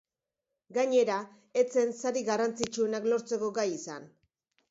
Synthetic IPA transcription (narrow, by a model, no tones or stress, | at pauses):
ɡaɲe̞ɾa | e̞t͡se̞nsaɾiɣarant͡sit͡ʃue̞naklo̞ɾt͡se̞ko̞ɡajisa̰n